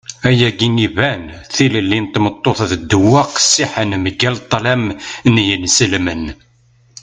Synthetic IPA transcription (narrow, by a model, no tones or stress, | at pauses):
æjæɡinivænθiləlːint̪mət̪ˤːoθðəd̪ːəwæqsːiħənməɡælt̪ˤːlæmnjənsəlmən